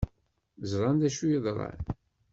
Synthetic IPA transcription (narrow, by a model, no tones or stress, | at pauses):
zɾˤɑnd̪æʃujəðˤɾˤɑ̰n